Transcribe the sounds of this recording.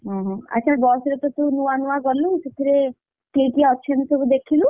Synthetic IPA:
ɦɔ̃ɦɔ̃ə̰tːt͡ʃʰabɔsɾet̪ɔt̪unũanuʋaɡɔluset̪ʰiɾe | kekiɔʃʰenisɔbud̪ekʰilu

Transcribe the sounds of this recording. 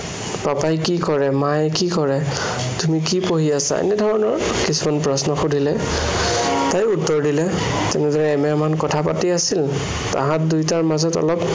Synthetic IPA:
papajkikɔɹɛmajkikɔɹɛ | tumikipoɦiasa̰ḛnɛdʱɔɹɔnɔɹkisumanpɹɔsnɔxudʱilɛ | tajutːɔɹdilɛ | tɛnɛdɔɹɛɛmɛmankɔtʰapatiasil | ta̰ɦãt̚dujtaɹmazɔtɔ̰lɔp

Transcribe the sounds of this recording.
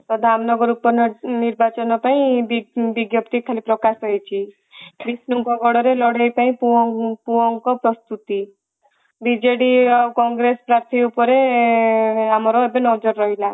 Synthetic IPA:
t̪ɔd̪ʱamnɔɡɔɾupɔɾnniɾbat͡ʃɔnɔpaĩbibiɡjɔpt̪ikʰalipɾɔkasɔɦet͡ʃʰi | kɾisnuŋkɔɡɔɽɔɾelɔɽejpaĩpuɔpuɔŋkɔpɾɔst̪ut̪i | bid͡ʒeɽiawkɔŋɡɾesɔ̥pɾaɾt̪ʰiupɔɾe | amɔɾɔebenɔd͡ʒɔɾːɔɦila

